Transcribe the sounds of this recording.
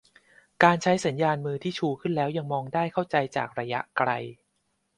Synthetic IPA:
kaː˧nt͡ɕʰa˦˥jsa˩˦njaː˧nmɯː˧t̪ʰiː˥˩t͡ɕʰuː˧kʰɯ˥˩nlɛː˦˥wja˧ŋmɔː˧ŋdaː˥˩jkʰa˥˩wt͡ɕa˧jt͡ɕa̰ː˨˩k̚ɾa˧ja̰˦˥ʔkɾa̰˧j

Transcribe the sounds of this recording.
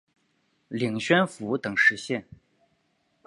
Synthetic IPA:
li˨˩ŋɕɥɛ˥nfu˧˥t̪ɤ˨˩ŋʂɻ̩˧˥ɕjɛ˥˩n

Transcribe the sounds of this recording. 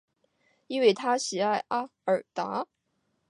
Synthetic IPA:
i˥nwe˥˩ɪt̪ʰa˥ɕi˨˩a˥˩ɪʔa˥ə˞˨˩t̪a˧˥

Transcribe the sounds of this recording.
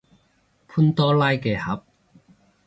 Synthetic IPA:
pʰu˥nt̪ɔː˥laː˥jkɛː˧hɐ˨˥p̚

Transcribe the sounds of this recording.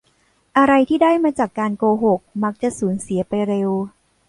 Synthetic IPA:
ʔa˧ɾa˧jt̪ʰiː˥˩daː˥˩jmaː˧t͡ɕaː˨˩kːaː˧nkoː˧ɦo˨˩k̚ma˦˥k̚t͡ɕa˨˩ʔsuː˩˦nsi˨˩˦ɐ˦pa˧jɾe˧w

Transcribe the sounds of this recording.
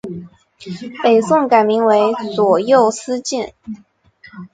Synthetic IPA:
pe˨˩ɪsʊ˥˩ŋka˨˩ɪmi˧˥ŋwe˧˥ɪt͡swɔ˨˩jo˥˩ʊsɹ̩˥t͡ɕi˥˩n

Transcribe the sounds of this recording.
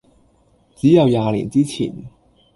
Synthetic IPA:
t͡siː˨˥jɐ˨˧wjaː˨˧lḭ˨˩nt͡siː˥t͡sʰḭː˨˩n

